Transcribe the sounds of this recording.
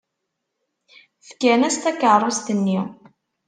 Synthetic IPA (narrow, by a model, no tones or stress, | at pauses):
θə̥kːænæst̪ækərˤːost̪ənːi